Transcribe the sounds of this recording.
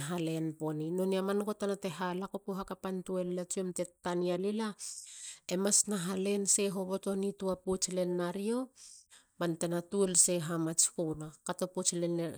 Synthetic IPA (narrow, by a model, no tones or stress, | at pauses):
ɦale̞npo̞ninoniamankotanate̞ɦalakopoɦakapantuellat͡ʃiomte̞tːanialila | emasnaɦale̞nse̞ɦo̞bo̞to̞nituaput͡ʃle̞nːaɾio̞ | mante̞natuelse̞ɦamat͡ʃkunakato̞put͡ʃlen